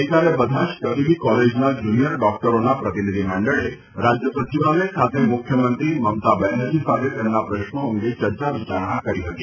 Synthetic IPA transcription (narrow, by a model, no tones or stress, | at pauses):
kaɾebəd̪ʱaʃk̪əbibikɔled͡ʒnad͡ʒunijəɾɖɔk̚ʈəɾonapɾət̪inid̪ʱiməɳɖəɭe | ɾad͡ʒjəsət͡ʃiʋalekʰat̪emʊkʰjəmənt̪ɾiməmt̪abɛnəd͡ʒisat̪ʰet̪emnapɾəʃɳoəŋɡet͡ʃəɾt͡ʃaʋit͡ʃaɾəɽ̃akəɾiɦət̪i